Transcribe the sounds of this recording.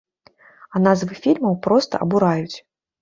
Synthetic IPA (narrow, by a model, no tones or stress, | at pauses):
ɐnazvɨfʲilʲmɐwpɾɔst̪ɐ̰ʔɐ̰buɾajut͡sʲ